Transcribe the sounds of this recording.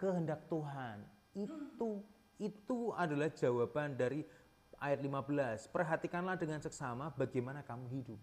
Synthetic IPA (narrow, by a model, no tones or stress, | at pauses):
kəɦəndak̚t̪uɦan | it̪u | it̪uadalahd͡ʒawabandaɾi | ʔajat̪̚limabəlaspərɦat̪ikanlahdəŋansəksamabaɡemanakamuɦidʊp̚